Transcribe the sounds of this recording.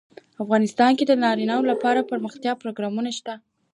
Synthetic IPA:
afɣɑnɪst̪ɑnked̪ənɑɾinawolapɑɾapəɾməxt̪jɑpɾoɡɾɑmunaʃt̪a

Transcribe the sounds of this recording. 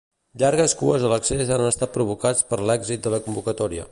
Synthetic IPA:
ʎaɾɣ̞əskuəzðələksezanəst̪at̪̚pɾuβ̞ukat͡spəɾlɛɡzit̪̚d̪ələkumbukət̪ɔɾiə̰

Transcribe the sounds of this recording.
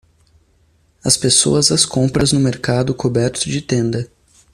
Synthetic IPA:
ɐspeso̰ɐzɐskõmpɾɐznʊmeɾkad̪ʊkʰobɛɾt̪ʊd͡ʒɪt̪ẽnd̪ɐ

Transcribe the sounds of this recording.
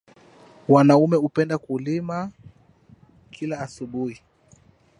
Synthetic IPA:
wanaumɛupɛndakulima | kʰilaːsuɓuhi

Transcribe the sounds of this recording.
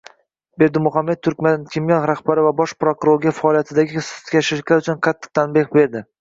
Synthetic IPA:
be̞ɾd̪ɪmʊχamːe̞t̪̚t̪ʰʊɾkʲmankʲʰemjɒnɾaχbaɾɪvabɒʃpɾokʊɾoɾɡʲafaːlijat̪ʰɪd̪aɡʲɪst̪kʲaʃɪɾɪʃʲlaɾʊt͡ʃʰʊnqʰɑt̪ʰːɨ̥q̚t̪ʰanbeχbe̞ɾd̪ɪ

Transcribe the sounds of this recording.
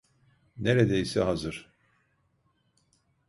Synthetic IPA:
neɾed̪ejisɛɦazɯɾ̥

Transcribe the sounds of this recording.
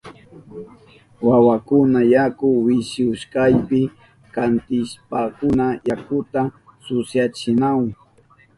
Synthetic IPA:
wawakʊnajakʊwɪʃjʊʃkajpɪ | kant̪ɪʃpakʊnajakʊt̪asʊsjat͡ʃɪnaw

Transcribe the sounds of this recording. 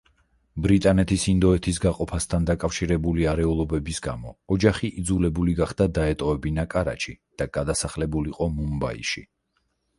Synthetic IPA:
bɾit̪ʼanɛt̪ʰisind̪ɔɛt̪ʰisɡaqʼɔpʰast̪ʰand̪akʼafʃiɾɛbuliaɾɛulˠɔbɛbisɡamɔːd͡ʒaχiʔːd̪zulɛbuliɡaχd̪ad̪aɛt̪ʼɔɛbinakʼaɾa̰t͡ʃʰid̪̥aɡ̥ad̪asaχlɛbuliqʼɔmumba̰ḭʃi

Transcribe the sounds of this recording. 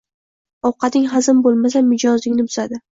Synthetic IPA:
ɒwqɑt̪ɪŋɦazɪmbolˠmasamːɪd͡ʒɒzlɪŋnɪbʊzad̪ɪ

